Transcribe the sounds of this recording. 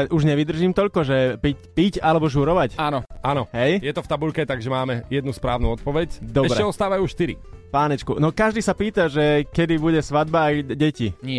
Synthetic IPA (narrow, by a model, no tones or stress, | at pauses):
ɛʔuʒɲɛʋid̪r̩ʒiːmt̪ɔʎkɔʒɛpicpicalɛbɔʒuːɾɔʋacanɔanɔɦɛjjɛt̪ɔft̪abuʎkɛt̪aɡʒɛmaːmɛjɛd̪̚nuspɾa̰ːʊnuɔt̪̚pɔʋɛcd̪ɔɛʃbɾɛɛɔst̪aːʋajuːʃt̪iɾḭpaːnɛt͡ʃkunɔkaʒd̪iːsapiːt̪aʒɛkɛd̪ibuɟɛsʋad̪baːjɟɛciɲɪɛ